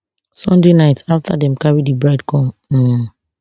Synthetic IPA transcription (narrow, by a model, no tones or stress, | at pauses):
sɔ̃ndenaɪtʰaftʰa̰dɛ̃mkaɹidibɹaɪdkɔ̃mm̩